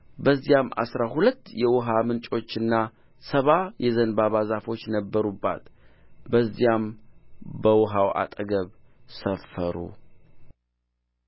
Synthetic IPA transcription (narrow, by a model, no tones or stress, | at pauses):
bəzːijama̰sɾaɦulət̪ːjɛwɔɦamɨnt͡ʃʼo̞t͡ʃːɨnːa | səβajɛzənbaβazafo̞t͡ʃːnəbːəɾubːa̰t̪bəzːijam | bəwɔɦawa̰t̪ʼɡəβsəfəɾṵ